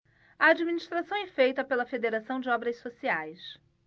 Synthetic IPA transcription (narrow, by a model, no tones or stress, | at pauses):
ɐːd͡ʒiminiʃt̪ɾasɐ̃w̃ɛfejt̪ɐpelɐfed̪eɾasɐ̃w̃d͡ʒɪɔbɾɐssosiajs